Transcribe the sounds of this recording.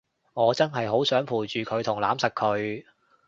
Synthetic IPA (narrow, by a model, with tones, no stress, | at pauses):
ŋɔː˨˧t͡sɐ˥nɦɐ˨jɦo˨˥wsœː˨˥ŋpʰuː˨˩jt͡ʃyː˨kʰɵ˨˧ɥt̪ʰʊ˨˩ŋlaː˨˥msɐ˨kʰːɵ˨˧ɥ